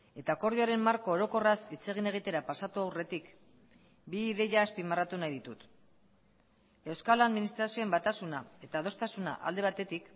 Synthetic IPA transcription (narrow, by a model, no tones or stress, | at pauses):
e̞t̪ako̞ɾðioɾe̞mːaɾkoːɾo̞ko̞rasit͡se̞ɣ̞ine̞ɣ̞it̪e̞ɾapasat̪uawre̞t̪ik | biːðe̞ʝaːspimarat̪unajðit̪ut̪ | e̞wskalaðminist̪ɾasio̞embat̪asunae̞t̪að̞o̞st̪asuna̰ʔa̰ld̪e̞β̞at̪e̞t̪ik